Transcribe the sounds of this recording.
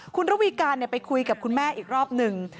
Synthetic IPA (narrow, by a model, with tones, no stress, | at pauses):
kʰu˧nɾa˦˥wiː˧kaː˧nːi˥˩ɐpa˧jkʰu˧jka˨˩p̚kʰu˧nmɛː˥˩ʔiː˨˩k̚ɾɔː˥˩p̚nɯ˧ŋ